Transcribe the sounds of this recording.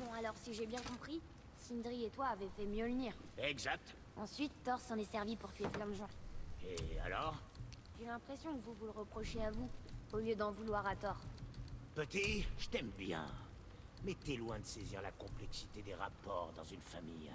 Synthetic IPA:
bɔ̃alɔʁsiʒebjɛ̃kɔ̃pχi | sind̪ʁiet̪waːvɛfɛmjøləniːʁɛɡzak̚t̪ | ɑ̃sɥit̪ːɔʁsɑ̃nɛsɛʁvipuʁt̪ɥeplɛ̃d̪əʒɑ̃ea̰lɔʁ | ʒelɛ̃pχesjɔ̃kvuvuləʁəpχɔʃeavuoljød̪ɑ̃vulwaʁat̪ɔʁpət̪iʒ̥ət̪ɛmbjɛ̰̃ | mɛt̪yɛlwɛ̃d̪əseziʁla̰kɔ̃plɛksit̪ed̪eʁa̰pɔʁd̪ɑ̃zynfamḭj

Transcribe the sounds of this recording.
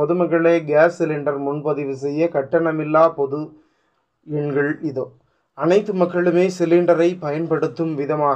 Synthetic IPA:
ɔðɯmɐɣɐɭeːɡaːsːɪlɪɳɖɐɾmʊnpɐðɪʋɯs̬ɛjːɐkɐʈːɐɳɐmɪlːaːpɔðɯ | ɛɳɡɐɭɪðoː | ɐnɐɪt̪ːɯmɐkːɐɭɯmeːsɪlɪɳɖɐɾɐɪpɐjɐnpɐɽɯt̪ːɯmʋɪðɐmaː

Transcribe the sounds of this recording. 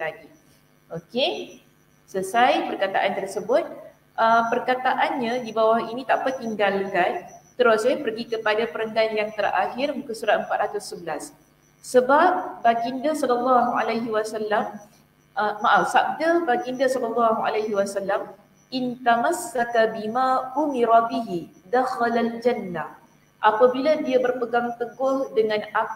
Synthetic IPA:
laɡi | ʔoke | səsajpərkat̪a̰ʔant̪ərsəbʊt̪̚ | ʔəmpərkat̪aʔanɲãdibawahinĩt̪aʔpat̪iŋɡalkant̪əɾʊsɲəpərɡikəpadapəɾəŋɡanjaŋt̪ərɾʔa̰ɦɪrmukəsuɾat̪̚əmpat̪̚ɾat̪ʊsːəbəlas | səbap̚baɡindasɔləlːɑɦua̰lajɦiwasalːam | ʔəmaʔafsap̚d̪abaɡindasɔləlːɑɦua̰laɦiwasalːam | ʔint̪amasːakabimaʔumiɾabiɦid̪axalald͡ʒanːa | ʔapabiladiabərpəɡaŋt̪əɡʊhdəŋãna

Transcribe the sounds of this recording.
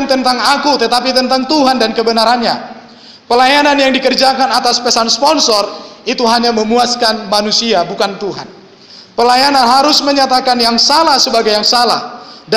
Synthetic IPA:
nt̪ənt̪aŋakut̪ət̪apit̪ənt̪aŋt̪uɦandankəbənaɾanɲa | pəlajananjaŋdikərd͡ʒakanat̪aspəsanspɔnsɔrit̪uɦaɲaməmuaskanmanusiabukant̪uɦa̰n | pəlajananɦaɾʊsməɲat̪akanjaŋsalahsəbaɡajːaŋsala̰hd

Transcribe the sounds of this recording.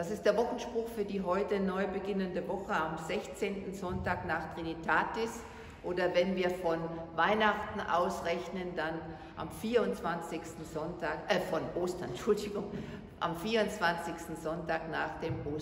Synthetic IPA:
d̥asɪstd̥eːɐvɔχn̩ʃpʁ̥ʊxfyːɐdiːɦɔʏtənɔʏbəɡɪnəndəvɔχəamzɛçt͡seːntn̩zɔntaːknaːχtʁ̥initʰaːtɪs | ʔoːdɐvɛnviːɐfɔnvaɪnaχtn̩ʔa̰ʊsʁɛçnəndan | ʔa̰mfiːɐʊnt͡sv̥ant͡sɪçstn̩zɔntʰaːkʔɛfɔnʔoːstɐnʃʊldɪɡʊŋ | ʔa̰mfiːɐʊnt͡sv̥ant͡sɪçstn̩zɔntaːknaːχd̥eːmʔoː

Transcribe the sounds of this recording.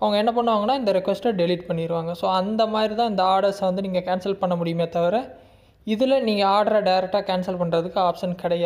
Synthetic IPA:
ɐʋɐŋɡɐɛnːɐp̬ɐɳːɯʋaːŋɡɐnːaːɪnd̪ɐɾɪkʋɛsʈɐɖɛliːʈpɐɳːɪɾɯʋaːŋɡɐsoːɐnd̪ɐmaːd̪ɾit̪ãːɪnd̪ɐaːɾɽɐsʋɐnd̪ɯniːŋɡɐkaːnsɐlpɐɳːɐmʊɽɪjɯmeːt̪ɐʋɐɾɐ | ɪðɪlɐniːŋɡɐaːɾɽɐɾaːɖɐɪɾɛk̚ʈaːkaːnsɐlpɐɳːɾɐðɯkːɯaːpʂɐnkɪɽɐja

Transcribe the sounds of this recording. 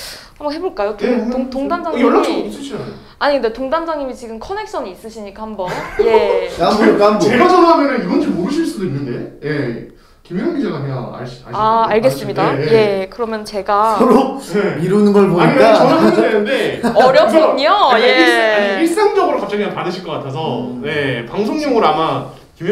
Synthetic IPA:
hambakhe̞boɭkajotoŋtoŋdand͡ʑaiʌos͈ɯɕʰo | aɲindetoŋdand͡ʑaŋimit͡ɕiɡɯmkʰʌne̞k̚s͈ʌɲiːs͈ɯɕʰiɲik͈ʰahambʌnje̞ambokamboeɡad͡ʑʌnɦamjʌnɯniɡʌnd͡ʑomːoɾɯɭɕʰiɭs͈udoinːɯnde̞je̞ | kimioŋɡid͡ʑeɡaɦejaa̰ɭɕa̰aːɭɡe̞s͈ɯmmɲidaje̞kɯɾʌmjʌnt͡ɕe̞ɡasʌɾoeiɾɯnɯnɡʌɭpoɲaiɲiɡat͡ɕʌʌɡdwenɯnde̞ʌɾjʌp͈uɲojeiis͈aŋd͡ʑʌɡɯɾokap̚t͡ɕ͈aɡianpadɯɕʰiɭk͈ʌk͈atʰes̬ʰʌne̞paŋsʰoŋɲoŋɯɾoama | kim

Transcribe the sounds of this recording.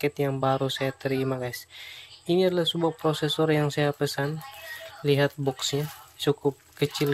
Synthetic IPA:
kɛt̪jaŋbaɾusajat̪əɾimaɡajsiniadɛlahsəbuapɾɔsɛsɔrjaŋsajapəsanliɦat̪̚bɔksɲat͡ʃukʊp̚kət͡ʃil

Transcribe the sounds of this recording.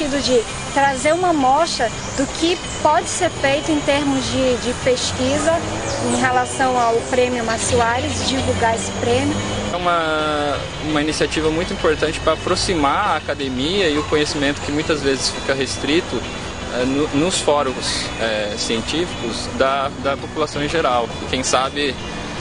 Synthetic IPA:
id̪ʊd͡ʒɪ | t̪ɾazeɾũmɐmɔʃɐ | d̪ʊkɪ | pɔd͡ʒɪseɾfejt̪ʊẽt̪eɾmʊzd͡ʒɪd͡ʒɪpeʃkizɐ | ẽj̃ɦelasɐ̃w̃awpɾẽmjʊmasuaɾɪzd͡ʒivuɡaesɪ̥pɾẽmjʊɛũmɐ | ũmɐinisiat͡ʃivɐmũj̃t̪ʊĩpoɾt̪ɐ̃t͡ʃɪ̥pɾɐapɾosimaaːkad̪emiɐɪʊkõɲesimẽnt̪ʊ̥kɪmũj̃t̪ɐzvezɪsfikɐɦest̪ɾit̪ʊ | ɛnʊnʊsfɔɾʊɡʊsɛsiẽnt͡ʃifi̥kʊz | d̪ɐd̪ɐpopulasɐ̃w̃ẽʒeɾawɪkẽj̃sabɪ

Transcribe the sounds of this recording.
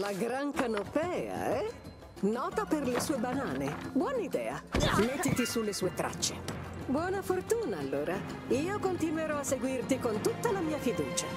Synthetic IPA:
laɡɾaŋkanopɛːa̰ɛ | nɔːt̪aperlesuːebanaːnebwɔnaid̪ɛːa̰met̪ːit̪isulːesuːet̪ɾa̰t͡ʃːebwɔːnafort̪uːnaːlːoːɾa | iːokont̪inweɾɔasːeɡwirt̪ikont̪ut̪ːalamiːafid̪ṵːt͡ʃa

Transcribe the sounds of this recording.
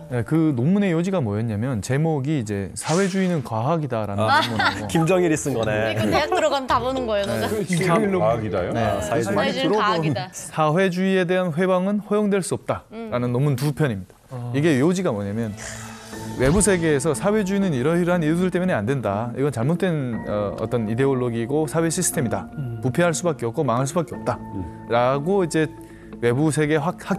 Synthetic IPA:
ne̞kɯnomune̞jod͡ʑiɡamwʌjʌɲamjʌnt͡ɕe̞moɡiːd͡ʑe̞̰sʰawe̞d͡ʑuinɯnkwaɦaɡidaɾa̰nmookimd͡ʑʌŋiɾis͈ɯnɡʌneek̚t͈ɯɾʌɡatabonɯnɡʌejoe | oɡidjonesaeɾ | sʰawe̞d͡ʑuie̞de̞ɦanɸwe̞baŋɯnɸʌjoŋdwe̞ɭs͈uʌp̚t͈aɾanɯnːʌmuntupʰjʌɲimɲid̥ḁiɡe̞iod͡ʑiɡamwʌɲamjʌn | we̞busʰe̞ɡe̞ːsʰʌsʰawe̞d͡ʑuinɯniɾʌiɾɦanijudɯɭt͈e̞muneandwe̞ndaḭɡʌnt͡ɕaɭmot͈we̞nʌ̰ʌ̰t͈ʌnide̞oɭːoɡiɡosʰawe̞ɕʰisʰɯ̥tʰe̞midapupʰeɦaɭs͈ubak͈eʌp̚k͈omaŋɦaɭs͈ubak͈eʌp̚t͈a | ɾaɡoid͡ʑe̞ | we̞busʰe̞ɡe̞ahak̚

